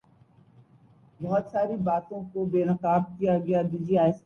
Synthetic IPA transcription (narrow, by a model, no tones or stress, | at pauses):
bɔɦɔt̪saːɾibaːt̪õkobeːnəqaːb̚kijaɡɪjad̪ɪd͡ʒiaːɪs